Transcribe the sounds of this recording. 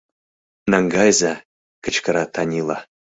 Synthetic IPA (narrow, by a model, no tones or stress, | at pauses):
nɑŋɡɑjza | kə̆t͡ɕkə̆ɾɑt̪ʰɑnʲilˠɑ̰